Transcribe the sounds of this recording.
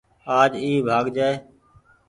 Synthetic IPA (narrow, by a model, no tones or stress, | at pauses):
aːd͡ʒiːbʱaːɡd͡ʒaːe